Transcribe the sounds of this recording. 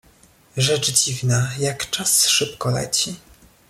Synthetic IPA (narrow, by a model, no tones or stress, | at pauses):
ʐɛt͡ʂd͡ʑivnajakt͡ʂasʂɘp̚kɔlɛ̰t͡ɕi